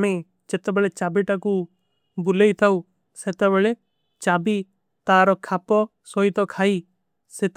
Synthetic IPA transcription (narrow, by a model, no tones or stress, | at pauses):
me | d͡ʒet̪ebeɭet͡ʃabiʈaku | buleit̪ʰau | set̪ebeɭe | t͡ʃabi | t̪aɾɔkʰapɔ | sɔit̪ɔkʰai | set̪